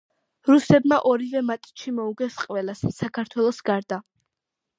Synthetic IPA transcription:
ɾusɛb̪maʔɔɾivɛmat̪ʼitʃimɔuɡɛsqʼvɛlasːakʰaɾt̪ʰwɛlˠɔsɡaɾd̪a

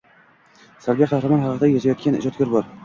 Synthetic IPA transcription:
saɾbijaqʰɑhɾamɒnχɑqʰɨd̪ajaʃajɒt̪̚kʲʰanɪ̰d͡ʒɒt̪̚kʲɒɾbɒɾ

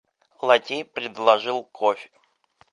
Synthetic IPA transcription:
lˠɐt̪ʲipɾʲɪd̪lˠɐʐɨlˠkʰofʲɪ̥

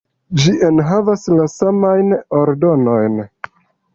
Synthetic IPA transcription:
d͡ʒiʔenɦavaslasamajnoɾdo̞no̞jn

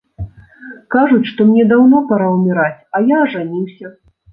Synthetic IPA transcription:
kaʐut͡sʲʂt̪ɔmnʲɛd̪awnɔpaɾawmʲiɾat͡sʲajaɐʐanʲiwsʲɐ

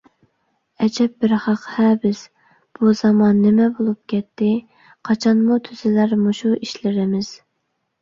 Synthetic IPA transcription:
ɛd͡ʒɛp̚bɪɾχɑqhɛːbɪs | b̥uz̥ɑmɑnːɪmɛbolˠup̚kʲɛt̪ʰːɪ | qʰɑt͡ʃʰɑnmut̪ʰyzɪlæɾmuʃuiʃlɪɾɪmɪz̥

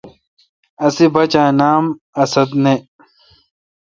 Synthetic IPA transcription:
ɐsibɐt͡ɕãːnaːm | ɐsɐd̪ne

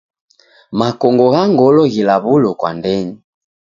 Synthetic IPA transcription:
makɔŋɡɔɣaŋɡɔlɔɣilaβulɔkwa̰ndɛɲi

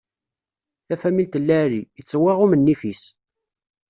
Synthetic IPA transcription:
θæfæmilt̪əlːæɾiət͡sːwɪʁʊmənːifis

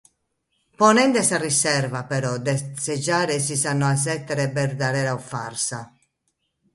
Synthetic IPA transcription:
pɔnɛnd̪ɛsarisɛrvapɛɾɔd̪ɛsɛd͡ʒaːɾɛsisanːɔas̬ɛt̪ːɛɾɛbɛɾd̪aɾɛːɾaufa̰rsa

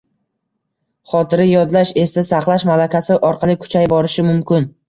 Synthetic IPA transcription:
χɒt̪ʰɪɾɪjɒd̪laʃe̞sasaχlˠaʃmalakʲʰasɪʔɒɾqʰɑlˠɪkʰʊ̥t͡ʃʰajbɒɾɪʃɪmʊmkʲɪn

